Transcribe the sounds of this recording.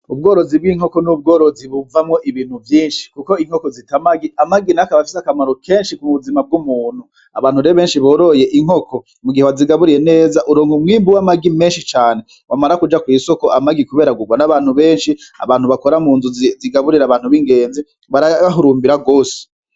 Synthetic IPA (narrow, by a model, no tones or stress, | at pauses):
ub̚ɡoːɾo̞zibɡiŋ̥ho̞ko̞nub̚ɡo̞ːɾo̞ziβuvamŋo̞ʔiβiːn̥huvjiːnʃi̥kuko̞iŋ̥o̞kozitamaɡiamaɡinakaβafisakamaɾoke̞ːnʃikumuβuzimab̚ɡumuːn̥u | aβaːn̥huɾeoβeːnʃiβo̞ːɾo̞je̞ʔiŋhoko̞ | muɡihewaziɡaβuɾiɾene̞ːzaʔuɾoːŋɡumŋiːmbuwamaɡime̞ːnʃit͡ʃaːne̞ | wʔamaɾakud͡ʒakwiːso̞ko̞ʔamaɡikuβe̞ːɾaɡuɡwanaβaːn̥huβe̞ːnʃia̰βaːn̥huβako̞ɾamuːnzuziɡaβuɾiɾaβaːn̥huβiŋɡe̞ːnzi | βaɾaɦuɾuːmbiɾaɡo̞ːse̥